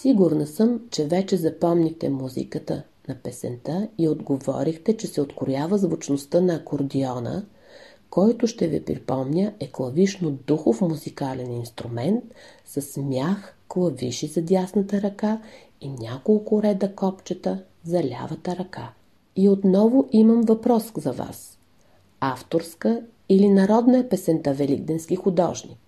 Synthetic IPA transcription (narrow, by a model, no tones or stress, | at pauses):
siɡʊɾnəsəmt͡ʃɛvɛt͡ʃɛzɐpɔmnʲixt̪ɛmuzḭkət̪ə | nɐpɛsɛ̰nt̪əiod̪ɡovɔ̰ɾixt̪ɛt͡ʃɛsɛot̪kʊɾjavəzvot͡ʃnost̪ənɐkoɾd̪iɔnə̰ | kɔjt̪ʊʃt̪ɛvḭpɾḭpɔmnʲəʔɛklˠɐviʃnod̪uxoʊfmuzikalɛninst̪ɾumɛnt̪̚ | sɐsmʲjaxklˠɐviʃizɐd̪ʲjasnət̪əɾɐka | inʲakolˠkʊɾɛd̪əkɔpt͡ʃət̪ə | zɐlʲa̰vət̪əɾɐka | iot̪nɔvʊʔimɐmvɐpɾɔszɐva̰s | aft̪oɾskə | ilinɐɾɔd̪nəɛpɛsɛnt̪avɛlḭɡd̪ɛnskixʊd̪ɔ̰ʒnʲḭk